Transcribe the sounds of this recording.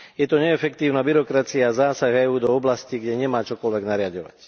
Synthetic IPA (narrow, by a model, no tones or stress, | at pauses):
jɛt̪ɔɲɛːfɛkt̪iːʊnaːbiɾɔkɾat͡siaːzaːsaɣɛuːd̪ɔɔblasciɡɟɛɲɛmaːt͡ʃɔkɔlʋɛɡnaɾɪaɟɔʋa̰c